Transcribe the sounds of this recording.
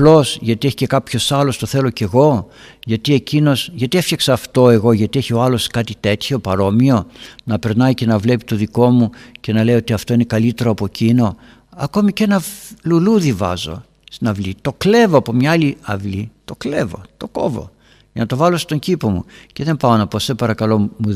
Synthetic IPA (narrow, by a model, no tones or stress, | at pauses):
ɐplo̞sʝɐt̪ieçi̥ce̞kɐpço̞sɐlo̞st̪o̞θe̞lo̞ce̞ɣo̞ | ʝɐt̪ie̞cino̞sʝɐt̪iefçɐksɐːft̪o̞e̞ɣo̞ʝɐt̪ieçio̞ɐlo̞skɐt̪it̪e̞t̪ço̞pɐɾo̞mio̞nɐpe̞ɾnɐice̞nɐvle̞pit̪o̞ðiko̞muce̞nɐle̞iot̪iɐft̪o̞inekɐlit̪e̞ɾo̞ɐpo̞cino̞ | ɐko̞mice̞nɐluluðivɐ̰zo̞̰ | st̪inɐvlit̪o̞kle̞vo̞ɐpo̞mɲɐaliɐvlit̪o̞kle̞vo̞t̪o̞ko̞̰vo̞̰ | ʝɐnɐt̪o̞vɐlo̞st̪o̞ɲcipo̞mṵce̞ðe̞mpɐonɐpo̞sepɐɾɐkɐlo̞mu